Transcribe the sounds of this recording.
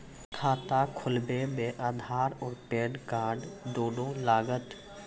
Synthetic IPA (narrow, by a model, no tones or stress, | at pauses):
kʰaːt̪akʰʊlbemẽʔaːd̪ʱaːɾɔːɾpeːɖkaːɖd̪oːɖõlaːɡət̪